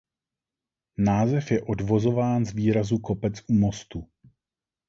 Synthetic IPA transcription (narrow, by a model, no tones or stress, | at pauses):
naːzɛfjɛʔo̞dvo̞zo̞vaːnzviːɾazuko̞pɛt͡sʔumo̞st̪u